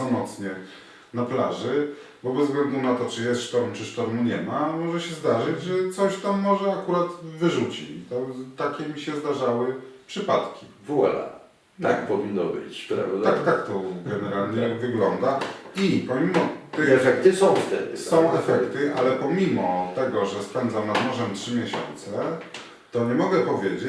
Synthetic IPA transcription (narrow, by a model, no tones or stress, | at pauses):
ɔmɔt̪sɲɛ | naplaʐɘ | bɔbɛzɡlɛnd̪unat̪ɔt͡ʂɘjɛst̪ʂt̪ɔɾmt͡ʂɘʂt̪ɔɾmuɲɛmamɔʐɛɕɛzd̪aʐɘd͡ʑʐɛt̪sɔɕt̪amːɔʐɛakuɾat̪vɘʐut͡ɕit͡ɕt̪ɔt̪akʲɛmʲiɕɛzd̪aʐawɘpʂɘpat̪kʲi | vuɛ̰la̰ | akpɔvʲinːɔbɘ̰t͡ɕpɾavd̪akt̪akt̪ɔɡɛnɛɾalɲɛvɘɡlɔnd̪aipɔmʲimɔt̪ɛfɛkt̪ɘsɔ̃w̃ft̪ɛ̰d̪̰sɔ̃w̃ɛfɛkt̪ɘʔalɛpɔmʲimɔt̪ɛɡɔʐɛspɛnd̪zamnad̪mɔʐɛmtʂɘmʲjeɕɔ̰nt̪sɛ | t̪ɔɲɛmɔɡɛpɔvʲjed͡ʑe